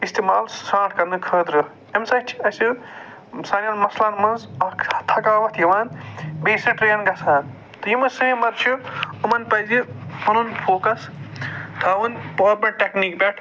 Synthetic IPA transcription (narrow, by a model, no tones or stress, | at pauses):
ist̪imaːlsãːʈʰkɐɾnɨkʰəːd̪ɾɐ | emsat͡ʃʰi̥ɐsu | saːnanmɐslaːnmɐnzɐkɐt̪ʰɐkaːʋɐt̪ʰjiʋaːnbeːsɐʈɾeːnɡɐsaːn | t̪ɨjimɐsɨɦimɐɾt͡ʃʰuumɐnpɐjzimɐnunpʰoːkɐs | t̪ʰɐwunpoːɾpeʈʈeknikbʲeʈʰ